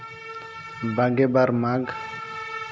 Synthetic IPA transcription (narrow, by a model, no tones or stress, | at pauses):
baɡɛbaɾmaɡ